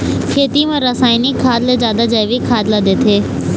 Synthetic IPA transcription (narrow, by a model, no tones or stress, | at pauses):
kʰeːt̪imãɾɐsaːɪnikʰːaːd̪led͡ʒaːd̪ad͡ʒajʋikʰaːd̪lad̪eːt̪ʰeː